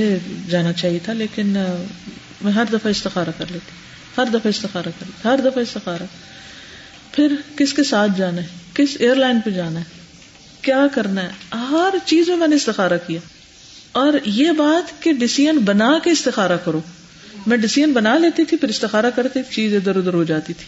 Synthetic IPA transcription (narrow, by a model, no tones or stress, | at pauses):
ed͡ʒaːnat͡ʃaːɦiet̪ʰaleːkɪn | mɛ̃ːɦɐɾd̪ɐfaɪst̪ɪxaːɾakɐɾleːt̪i | hɐɾd̪ɐfaɪst̪ɪxaːɾakɐɾleːt̪ʰɦɐɾd̪ɐfaɪst̪ɪxaːɾa | pʰɪɾkɪskesaːt̪ʰd͡ʒaːnaɦɛkɪseːəɾlaːɪnpɐd͡ʒaːnaɦɛ | kjaːkɐɾnaɦɛɦɦɐɾt͡ʃiːzmẽmɛ̃ːneɪst̪ɪxaːɾakijaː | ɔːɾjeːbaːt̪keɖɪsijənbɐnaːkeɪst̪ɪxaːɾakɐɾoː | mɛ̃ːɖɪsiːənbɐnaːleːt̪it̪ʰipʰɪɾɪst̪ɪxaːɾakɐɾt̪it̪ʰit͡ʃiːzẽd̪əɾʊd̪əɾɦod͡ʒaːt̪it̪ʰi̥ː